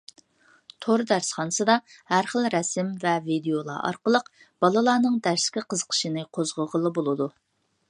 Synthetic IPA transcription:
t̪ʰoɾd̪æɾsχɑnsɨd̪ɑ | hæɾχəlˠɾɛsɪmvɛvid̪ejolˠɑ̰ʔɑ̰ɾqəlˠəq | b̥ɑlˠɨlˠɑːnɨŋd̪æɾskʲiqʰəzə̥qʰə̥ʃɨnɨqʰozʁəʁəlˠɨbolˠɨd̪u

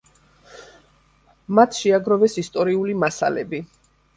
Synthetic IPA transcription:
mat̪ʰʃɛaɡɾɔvɛsist̪ʼɔɾiulimasa̰lɛ̰bi

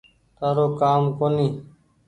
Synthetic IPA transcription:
t̪aːɾoːkaːmkoːniː

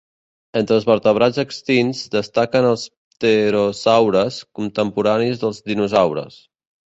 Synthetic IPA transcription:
ent̪ɾəːlˠzβəɾt̪əβɾad͡zəkst̪inzd̪əst̪akənəlˠs | t̪əɾozawɾəskunt̪əmpuɾanizðəlˠzðinuzawɾə̰s

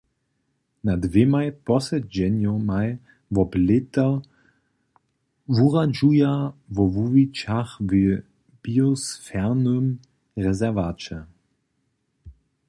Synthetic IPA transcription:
nadvemajpɔsɛd͡ʑɛnjomaj | vɔblɪt̪ɐ | vuʁad͡ʒujavɔvuvit͡ʃaχvɪ | b̥iosfɛʁnøm | ʁɛzɛɐvat͡ʃə

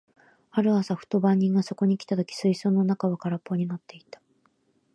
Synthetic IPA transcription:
aɾɯ̟asaɸɯ̟̥t̪o̞bãɲ̟ːĩŋɡaso̞ko̞ɲ̟ikʲi̥t̪at̪o̞kʲi̥sɨisõːnːo̞nakaβakaɾapːo̞ɲ̟inat̪ːe̞it̪ḁ

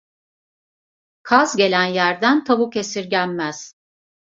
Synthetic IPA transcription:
kʰazɟe̞lʲænjæɾd̪ænt̪ʰabukʰe̞siɾɟælʲmæz̥

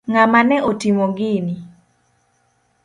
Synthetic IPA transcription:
ŋamanɛʔotimoɡɪni

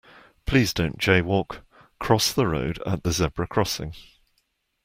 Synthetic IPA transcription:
pʰl̥iːzdə̃ʊ̃nd̥ʒ̥eɪwɔˑkʰ | ɹ̥ɒsðəɹə̰ʊdə̰ʔðəzɛbɹəkʰɹ̥ɒsɪ̰̃ŋ

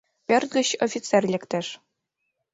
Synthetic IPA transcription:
pʲerʲt̪̚ɡʲɘ̆ɕofʲit̪t͡sɛrʲlʲɘ̆kt̪ʲɘ̆ʂ

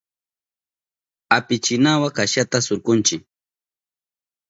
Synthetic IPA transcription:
apɪt͡ʃɪnawakaʃat̪asoɾkʊnt͡ʃɪk̚

